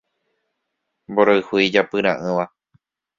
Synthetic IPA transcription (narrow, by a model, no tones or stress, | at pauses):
mboɾoɨhuid͡ʒapɨɾ̃ãʔɨ̃ʋa